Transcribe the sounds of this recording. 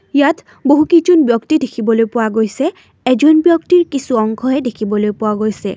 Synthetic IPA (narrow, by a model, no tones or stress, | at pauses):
jat | boɦukid͡ʒɔnbjɔktidekʰibɔlojpʊwaɡojsɛ | ɛzɔnbjɔktiɹkisuɔŋkʰɔɦɛdekʰibɔlojpʊwaɡojsɛ̰